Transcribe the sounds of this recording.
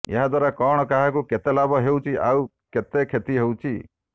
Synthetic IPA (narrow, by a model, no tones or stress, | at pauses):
ḛɦad̪waɾakɔɽ̃ɔkaɦakuket̪elabɔɦewt͡ʃʰiʔa̰w | ket̪ekʰet̪iɦewt͡ʃʰi